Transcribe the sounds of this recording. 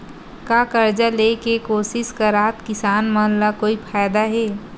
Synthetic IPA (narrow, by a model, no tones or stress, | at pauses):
kakəɾd͡ʒalekekoːsɪskaɾaːt̪kɪsaːnməɦnlakoːipʰaːjd̪aɦeː